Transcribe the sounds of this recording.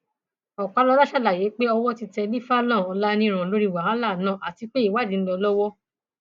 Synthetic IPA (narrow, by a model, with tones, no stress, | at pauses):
ɔ˨k͡pa˨˧lɔ˧la˦ʃa˦˨la˨je˨˦k͡pe˦ɔ˧wɔ˦ti˧tɛ˧bi˦fa˦lã˦˨ɔ˧la˦nĩ˦˧ɾ̃ã˨lo˨˦ɾi˦˨wa˨ɾã˦la˦˨nã˦˨ʔa˨ti˨˧k͡pe˦i˦˨wa˦˨dĩ˨˦lɔ˧lɔ˦wɔ˦